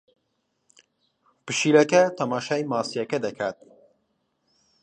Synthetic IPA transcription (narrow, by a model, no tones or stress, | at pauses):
pɨʃiːlɐkɐt̪ʰɐmaːʃaːjmaːsijɐkɐd̪ɐkʰaːt̪̚